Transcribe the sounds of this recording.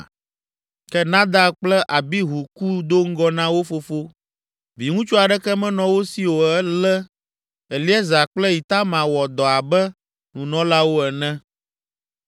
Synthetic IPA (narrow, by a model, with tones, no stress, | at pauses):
kɛ˦nã˦d̪a˦k͡plɛ˦ʔa˨bi˦ɦu˨ku˦d̪o˦ŋ̩˦ɡɔ˦nã˦wo˦fo˦fo˦ | vi˨ŋũ˦t͡ʃo˦a˨ɖɛ˦kɛ˦mɛ̃˦nɔ̃˨wo˦si˨wo˨ɛ˦lɛ˦ | ɛ˨li˦ɛ˦za˨k͡plɛ˦ji˨t̪a˦mã˨wɔ˨d̪ɔ˨a˨bɛ˦ | nũ˨nɔ̃˦la˦wo˦ɛ˨nɛ̃˦